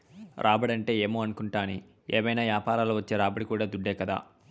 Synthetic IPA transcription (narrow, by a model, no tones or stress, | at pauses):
ɾʔaːbɐɽɐɳʈe̞ːeːmoːɐnukuɳʈaːni | ḛːmɐjnaːʋjaːpaːɾaːluʋɐt͡ʃːeːɾaːbɐɽikuːɽaːd̪uɖːeːkɐd̪a̰ː